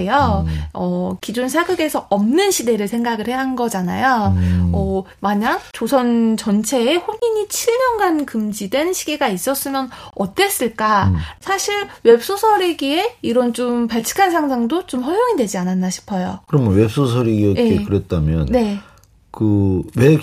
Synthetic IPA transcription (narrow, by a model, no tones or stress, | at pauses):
ejoʌkid͡ʑonsʰaɡɯɡe̞sʰʌʌmnɯnɕʰide̞ɾɯɭsʰe̞ŋɡaɡɯɭheɦanɡʌd͡ʑanajoʌ | maɲak̚t͡ɕosʰʌnt͡ɕʌnt͡ɕʰe̞ːhoɲiɲit͡ɕʰiɭmʌnɡankɯmd͡ʑidwe̞nɕʰiɡe̞ɡais͈ʌs͈ɯmjʌnʌt͈e̞s͈ɯɭk͈asʰaɕʰiɾwe̞p̚s͈osʰʌɾeɡie̞iɾʌnt͡ɕompaɭt͡ɕʰi̥kʰansʰaŋs̬ʰaŋdot͡ɕomɸʌɾjoŋidwe̞d͡ʑiananːaɕʰi̥pʰʌjokɯɾʌmnwep̚s͈os̬ʰʌɾeɡiʌjeekɯɾet̚t͈ʰamjʌ̰nne | kɯwe